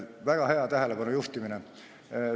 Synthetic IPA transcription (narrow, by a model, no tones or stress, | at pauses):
væɡ̥ɑɦhe̞ɑt̪æɦele̞pɑnujuht̪imine